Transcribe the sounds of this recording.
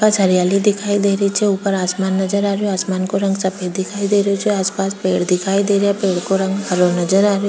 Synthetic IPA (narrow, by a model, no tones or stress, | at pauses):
paːsɦɐɾijaːlid̪ɪkʰaːid̪eːɾəit͡ʃʰɛuːpəɾaːsmaːnːɐd͡ʒəɾaːɾjoaːsmaːnkoɾɐ̃ŋɡsɐpʰed̪̚d̪ɪkʰaːid̪eːɾot͡ʃʰɛaːspaːspeːɽd̪ɪkʰaːid̪eːɾjapeːɽkoɾɐ̃ŋɡɦɐɾonɐd͡ʒəɾaːɾjo